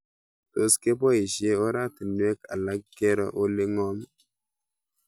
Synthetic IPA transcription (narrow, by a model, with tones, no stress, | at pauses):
to˨ske˦pɔ˦i˨ʃje˦o˦ɾa˦ti˨nwe˦ka̰˨la˦ɡɛ˦ɾɔ̰˦ʔo˦le˦ŋɔ˦m